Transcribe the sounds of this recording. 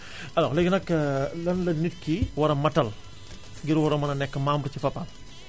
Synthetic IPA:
ɐlɔlɐɡɐnɐkːlɐnlɐnitkiwɐɾɐmɐtːɐl | ɡiɾwɐɾɐmɐnɐnɛkːɐmaːmbuɾt͡ʃifɐpːan

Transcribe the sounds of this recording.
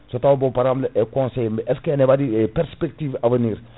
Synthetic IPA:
sotawbõpaɾabləʔɛkɔ̃sɛjmɛʔɛskɛnɛbadiɛpɛɾspɛk̚tivavəniːɾ

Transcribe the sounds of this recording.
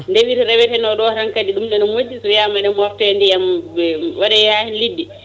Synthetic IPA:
ndewiɾɾɛwɛtɛnɔɗɔɾaŋkadiɗumnɛnɔmod͡ʒːisɔjamaɗɛmɔftɛndijamɛwaɗɛjaːhinlidːi

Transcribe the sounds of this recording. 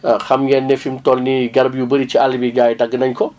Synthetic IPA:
xɐmɡɛnːefimtɔlniɡɐɾbjubəɾit͡ʃialibiɡaːjdɐɡːənɐɲkɔ

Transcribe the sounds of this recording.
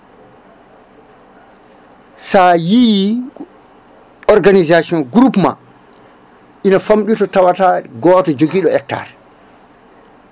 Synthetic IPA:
saji | ɔɾɡanizasiɔnɡɾupma̰ | ʔinafamɗitɔtawataɡɔːtad͡ʒoɡiːɗɔɛk̚ta̰ːɾ

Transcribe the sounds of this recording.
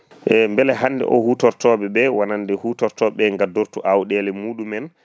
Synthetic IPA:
ʔɛmbɛlɛɦanːdɛ̰ʔɔ̰hutɔɾtɔːbɛbɛwanandɛhutɔɾtɔɓɛŋɡadoɾtuʔawɗɛlɛmuːɗumɛn

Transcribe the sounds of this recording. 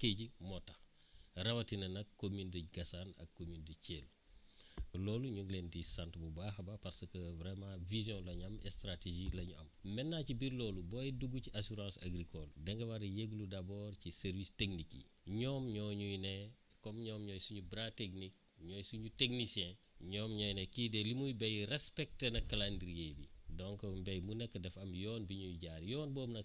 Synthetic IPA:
keɟimɔtɐxrɐwɐtinɐnɐkkːomintəɡɐsanɐ̰kkːomintəceːl | lɔːluɲuŋɡlentisantbubaxɐbapɐɾsɐkɐvɾɛmãvizjɔ̃lɐɲɐmɛstɾateʒilɐɲuʔɐmmɛnːaːcibiɾlɔːlubɔjiduɡuciʔasuɾãːsa̰ɡɾikɔldɛŋɡɐwɐɾjeɡludabɔːrcisɛɾvisteknikḭɲɔːmɲɔːɲujnɛ | kɔmɲɔːmɲɔːjsuɲubɾateknik̚ɲɔːjsuɲuteknisjɛ̃ | ɲɔːmɲɔːjnɛkidɛlimujbɛjrɛspɛk̚tenɐkːalandɾijebidɔŋkbɛjmunɛkːədɛfɐmjɔːnbiɲujɟaːɾjɔːnbɔːmnɐk

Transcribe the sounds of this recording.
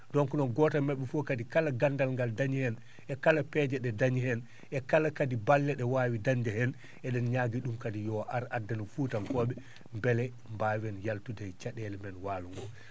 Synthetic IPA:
dɔnkunɔɡɔtamɛɓːɛfɔkadikalaɡandalŋɡaldaɲihɛn | ʔɛkalapɛd͡ʒɛɗɛdaɲihɛn | ʔɛkalakadibalːɛɗɛwaːwidaɲd͡ʒɛhɛn | ɛɗɛnɲaːɡiɗumkadijɔʔaɾadːanɔfuːtankɔːɓɛ | mbɛlɛ | mbawɛnjaltudɛjt͡ʃaɗɛlɛmɛnwaːluŋɡɔ

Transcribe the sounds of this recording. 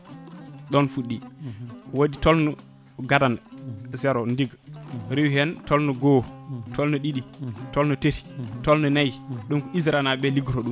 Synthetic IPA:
ɗɔnfuɗːi | waditɔlnɔ | ɡadanzɛɾɔndiɡɾiwhɛntɔlnɔɡɔtʰɔlnɔɗiɗitɔlnɔteɾi̥tɔlnɔnajɗunkɔizɾanabɛliɡɾɔɗum

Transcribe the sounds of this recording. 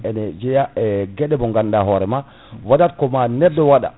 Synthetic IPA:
ɛnɛd͡ʒɛjaɛɡɛɗɛbɔŋɡandaɦɔɾɛma | wadatkɔmanɛdːɔwaɗa̰

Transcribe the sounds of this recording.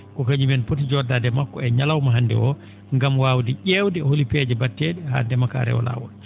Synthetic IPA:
kɔkaɲimɛnpotid͡ʒɔdaːdɛmakːɔɛɲalawmaɦandɛ̰ʔɔ | ŋɡamwawdiʔewdɛholipɛd͡ʒɛbatːeɗɛha̰ndɛmaka̰ɾɛ̰ɔ̰la̰ːwɔ̰

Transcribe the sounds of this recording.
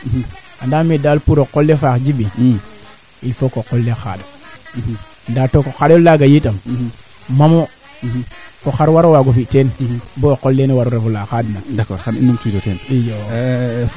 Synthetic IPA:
andamidalpuɾokolːefakd͡ʒibi | ilfokokolːexa̰d | ndaːtokokaɾolaɡajitam | mamo | foxaɾwaɾowaɡofitenbokolːenwaɾuɾefolaxadnadakɔɾanḭnumtitotenijo

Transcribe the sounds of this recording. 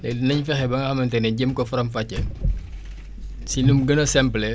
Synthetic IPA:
nɛnɐɲfɛxɛbɐŋɡɐxɐmɐntɛnɛɟəmkɔfɐɾɐmfɐcːɛ | sinumɡənɐsɛmplɛ

